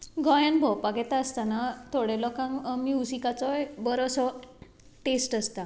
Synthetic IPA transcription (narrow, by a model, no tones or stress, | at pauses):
ɡɔjanbʱɔwpaɡɛt̪aəst̪anat̪ʰoɽelɔkãŋmjusikat͡sɔbəɾosɔ | ʈesʈəst̪a